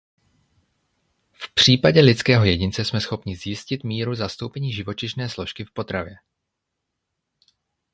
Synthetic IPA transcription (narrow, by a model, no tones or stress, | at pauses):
fpr̝̥iːpaɟɛlɪt͡skɛːɦo̞jɛɟɪnt͡sɛsmɛsxo̞pɲɪzjɪscɪt̪miːɾuzast̪o̞wpɛɲiːʒɪvo̞t͡ʃɪʃnɛːslo̞ʃkɪfpo̞t̪ɾavjɛ